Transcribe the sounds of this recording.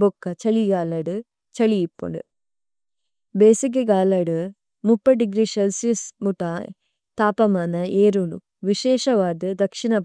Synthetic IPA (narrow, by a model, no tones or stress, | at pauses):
bokːɐt͡ʃɐɭiɡaːlɐɽɨ | t͡ʃɐɭijipːṵɳɖɨ̰ | beːsik̬ːɐɡaːlɐɽɨ | mupːɐɖiɡɾiselsijɐsmuʈa | t̪aːpɐmaːnɐeːɾunṵ | ʋiʃeːʂɐʋaːd̪ɨd̪ɐkʂinɐ